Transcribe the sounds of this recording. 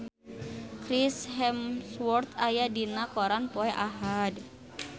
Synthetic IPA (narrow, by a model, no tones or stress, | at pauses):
kɾisɦɛmswɔrt̪ajadinakoɾanpɔɛʔaɦad